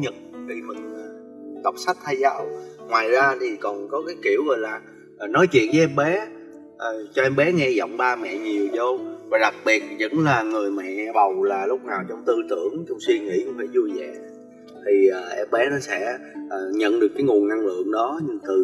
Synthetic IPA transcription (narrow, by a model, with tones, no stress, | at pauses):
ɲə˨˩t̚k̪i˧˩mə̰˧˨nː˨˩ | t̪ə˨˩wk͡p̚sa˦˥k̚t̪ʰaː˧jzaː˧˨˦wŋwaː˨˩jzaː˧t̪ʰi˨˩kɔ˨˩nkɔ˨˦kaː˨˦jki˧˩əwɣɔ˨˩jlaː˨˩˨ | nɔ˨˦jt͡ɕwḭ˧˨ənvə˨˦ʔɛ˧mɓɛ˨˦ | ʔəː˨˩t͡ɕɔ˧ʔɛ˧mɓɛ˨˦ŋɛ˧zɔ̰˧˨wŋ͡mɓaː˧mɛ̰˧˨ɲi˨˩əwzo˧wvaː˨˩ɗa˨˩k̚ɓi˨˩ət̚zə̰˧˥nlaː˨˩ŋɨ˨˩əjmɛ̰˧˨ɓa˨˩wlaː˨˩lʊ˦˥k͡p̚naː˨˩wt͡ɕɔ˧wŋ͡mt̪ɨ˧t̪ɨ˧˩əŋt͡ɕɔ˧wŋ͡mswi˧ŋḭ˧˥kfe˧˩jzu˧jzɛ̰˧˨ | t̪ʰi˨˩ʔəː˨˩ʔɛ˧mɓɛ˨˦nɔ˨˦sɛ̰˧˥ʔəː˨˩ɲə̰˧˨nɗɨ˨˩əkːaː˨˦jŋu˨˩ənna˧ŋlɨ̰˧˨əŋɗɔ˨˦ɲɨ˧t̪ɨ˨˩